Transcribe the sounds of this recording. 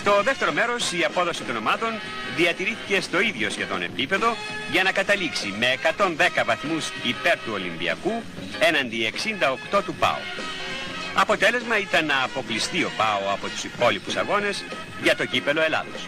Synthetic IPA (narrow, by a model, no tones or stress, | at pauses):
st̪o̞ðeft̪e̞ɾo̞me̞ɾo̞siɐpo̞ðo̞sit̪ono̞mɐt̪o̞n | ðiɐt̪iɾiθice̞st̪o̞iðʝo̞sçe̞ðo̞̰ne̞̰pipe̞ðo̞ | ʝɐnɐkɐt̪ɐliksime̞ːkɐt̪o̞nðe̞kɐvɐθmusipeɾt̪uo̞limbḭɐ̰ku | enɐnd̪ie̞ksind̪ɐokt̪o̞t̪upɐ̰o̰ | ɐpo̞t̪e̞le̞zmɐit̪ɐnːɐːpo̞klist̪io̞pɐoɐpo̞t̪u̥sipo̞lipusɐ̰ɣo̞ne̞s | ʝɐt̪o̞ɟipe̞lo̞e̞lɐ̰ðos